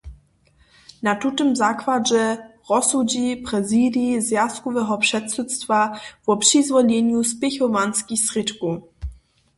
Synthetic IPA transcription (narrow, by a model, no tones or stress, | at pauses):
nat̪ut̪ɔmzakvad͡ʒɛʁɔsuɟiːprɛzidizjaskɔvɛɦɔpʂɛt̪sut̪st̪vav̥ɔpʂɪzvɔʎɛɲuspɪxɔvanskixsrɪt̪kuː